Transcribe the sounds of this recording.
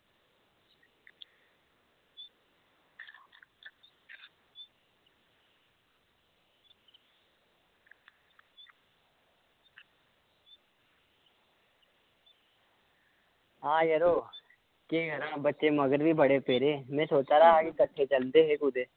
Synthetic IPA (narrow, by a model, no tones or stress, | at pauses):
ɦãːjeɾoː | keːɡʱɐɾãːbətːʃemɐɡəɾbʱibɐɽepeːɾeːmɛ̃ːsoːt͡ʃaːɾaɦakikəʈʰːet͡ʃɐld̪eɦeɡuːd̪eː